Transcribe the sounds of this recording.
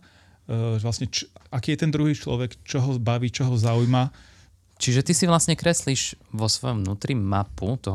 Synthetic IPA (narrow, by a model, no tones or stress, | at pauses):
lasɲɛt͡ʃakiːjɛt̪ɛnd̪ɾuɦiːt͡ʃlɔ̰ʋɛkt͡ʃɔɦɔbaʋiːt͡ʃɔɦɔzaujma | t͡ʃiʒɛt̪isiʋlasɲɛkɾɛsliʒ̥ʋɔsʋɔjɔmʋnuːt̪ɾimaput̪ɔɦ